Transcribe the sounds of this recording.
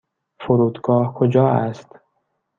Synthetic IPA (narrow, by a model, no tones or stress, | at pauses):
foɾuːd̪ɡɒːhkʰod͡ʒɒːæst̪